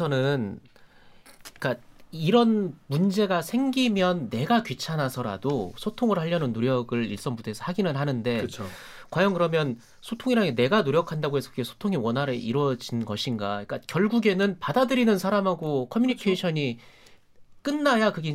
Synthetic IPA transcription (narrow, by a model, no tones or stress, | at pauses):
sʰʌnɯn | k͈aiɾʌnmund͡ʑe̞ɡasʰe̞ŋɡimjʌnːe̞ɡakɥit͡ɕʰanasʰʌɾa̰dosʰotʰoŋɯɭhaʎːʌnɯnːoɾjʌɡɯɭḭɭs͈ʌnbudʰesʰʌ̥haɡinɯnɦanɯnde̞t͡ɕʰ | kwajʌŋkɯɾʌmjʌn | sʰotʰoŋiɾaɡene̞ɡanoɾjʌkʰandaɡoɦe̞sʰʌ̥kɯɡesʰo̥tʰoŋiwʌnɦaɾɯʔḭɾwʌd͡ʑinɡʌɕʰinɡaik͈akjʌɭɡuɡe̞nɯnpadadɯɾinɯnsʰaɾamɦaɡokʰʌmjuɲikʰeɕʰʌɲi | k͈ɯnːajakɯɡe